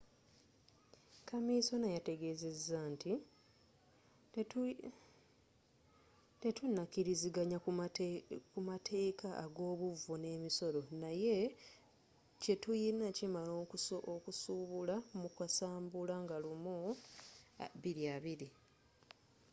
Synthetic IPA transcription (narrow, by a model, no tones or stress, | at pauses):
kamiso̞najate̞ɡe̞ze̞zːantʰi | te̞tunːakiɾiziɡaɲa | kumatʰe̞ːkʰaʔːɡo̞ːβuvune̞ːmiso̞ɾo̞naje̞ | ce̞tujinacimalookusuːβulamukwasaːmbulaŋɡalumu | βiɾiaβiɾi